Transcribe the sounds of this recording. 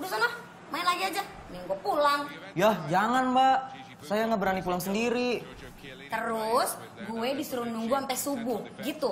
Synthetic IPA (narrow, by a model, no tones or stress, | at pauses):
dusanah | mainlad͡ʒiad͡ʒanɛŋɡuapulaŋjahd͡ʒaŋanbaʔ | sajaŋabəɾanipulaŋsəndiɾi | t̪əɾʊs | ɡuɛdisəɾunuŋɡuampɛsubʊhɡit̪u